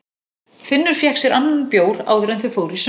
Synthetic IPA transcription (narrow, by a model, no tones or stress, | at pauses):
θɪnːʏɾ̥fjɛhksɛɾʔanːanpjoːwɾa̰ːwðɾɛnθʏfoːwɾis